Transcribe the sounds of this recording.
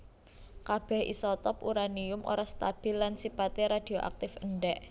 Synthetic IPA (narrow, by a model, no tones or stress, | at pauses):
kab̥ɛ̤hʔḭsɔt̪ɔpuɾaniʊmʔo̰ɾɔst̪ab̥ɪ̤lːansipat̪eɾad̪̥i̤oʔa̰k̚t̪ɪfəɳɖɛʔ